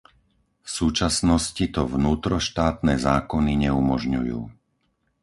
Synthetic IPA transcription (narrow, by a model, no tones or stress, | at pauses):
fsuːt͡ʃasnɔscit̪ɔvnuːt̪ɾɔʃt̪aːt̪nɛːzaːkɔniɲɛumɔʒɲujṵː